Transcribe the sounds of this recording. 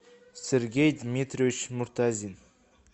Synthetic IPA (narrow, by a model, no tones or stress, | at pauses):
sʲeɾɡʲejd̪mʲet̪rʲovit͡ʃmʊɾt̪ʰazʲin